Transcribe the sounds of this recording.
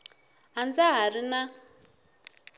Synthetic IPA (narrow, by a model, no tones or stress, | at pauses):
and͡zaɦaɾina